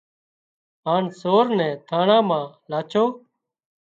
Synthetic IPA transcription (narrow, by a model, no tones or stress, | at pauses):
ɦaːnsoːɾnɛ̃ːt̪ʰaːɳãːmãːlaːt͡ʃʰoː